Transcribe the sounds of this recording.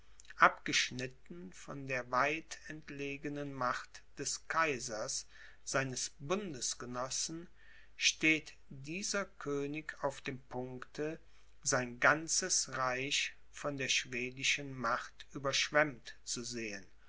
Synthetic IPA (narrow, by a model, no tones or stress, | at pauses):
ʔapɡ̥əʃnɪtn̩fɔndeːɐvaɪtɛntleːɡənənmaχtd̥ɛskʰaɪzɐs | z̥aɪnəsbʊndəsɡ̥ənɔsn̩ | ʃteːt | d̥iːzɐkʰøːnɪkaʊfd̥eːmpʰʊŋktʰə | zaɪnɡant͡səsʁaɪç | fɔndeːɐʃv̥eːdɪʃənmaχtʔyːbɐʃv̥ɛmtt͡suzeːən